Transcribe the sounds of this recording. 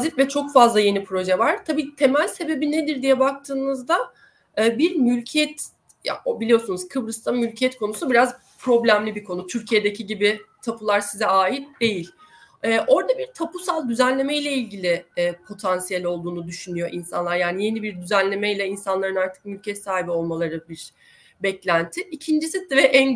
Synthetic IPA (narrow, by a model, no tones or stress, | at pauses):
zit̪vɛt͡ʃʰo̞kfazlˠaje̞nipʰɾo̞ʒɛvaɾ̥t̪ʰabiːt̪ʰe̞mælʲse̞be̞bine̞d̪iɾd̪ijɛbak̚t̪ʰɯːnɯzd̪aː | biɾmylʲcʰɛt̪ | ja̰obilʲijo̞sunuzkʰɯbɾɯst̪ʰamylʲcʰɛt̪kʰo̞nusubiɾaz | pʰɾo̞blʲæmlʲibikʰo̞nut̪ʰyɾcʰijed̪e̞cʰiɟibit̪ʰapʰulˠaɾsizɛaːjit̪̚d̪e̞jilʲ | ɛːʔo̞ɾd̪abiɾt̪ʰapʰusalˠd̪yzænlʲe̞mejlʲɛilʲɟilʲɪːpʰo̞t̪ʰansijɛlʲo̞lˠd̪uːnud̪yʃynyjo̞ʔinsa̰nlˠaɾjaːnije̞nibiɾd̪yzænlʲe̞mɛjlʲɛinsanlˠaɾɯnaɾt̪ʰɯ̥k̚mylʲcʰɛt̪saːɦibio̞lˠmalˠaɾɯbiɾ | bɛclʲænt̪ʰɪicʰind͡ʒisid̪ɛvɛʔɛn